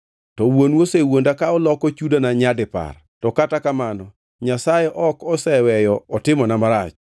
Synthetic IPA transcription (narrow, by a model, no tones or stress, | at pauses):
tɔwonwosewondakaɔlɔkɔt͡ʃudanaɲadɪpa̰r | tɔkatakamanɔ | ɲasajɛʔɔkɔsɛwɛjɔɔtɪmɔnamaɾa̰t͡ʃ